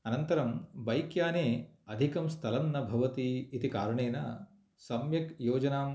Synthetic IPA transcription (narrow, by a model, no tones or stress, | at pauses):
ɐnɐnt̪ɐɾɐmʋɐjkjaːneːɐd̪ʱikɐmst̪ʰɐlɐnːɐbʱɐʋɐt̪iːt̪ikaːɾuɳeːnɐ | sɐmjɐkjoːd͡ʒɐnaːm